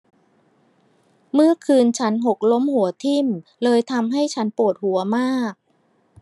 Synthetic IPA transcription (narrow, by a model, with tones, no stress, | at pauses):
mɯ˥˩ɐkʰɯː˧nt͡ɕʰa˦˥nɦo˨˩k̚lo˦˥mhu˩˦ɐt̪ʰi˥˩mlɤː˧jt̪ʰa˧mɦa˥˩jt͡ɕʰa˦˥npu˨˩ət̪̚hu˩˦ɐmaː˥˩k̚